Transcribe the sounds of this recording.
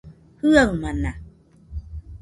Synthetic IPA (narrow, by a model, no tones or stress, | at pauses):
hɯawmana